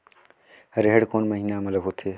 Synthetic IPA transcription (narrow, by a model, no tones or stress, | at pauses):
həɾeɦeɽkoːnməɦiːnamələbɦoːt̪ʰeː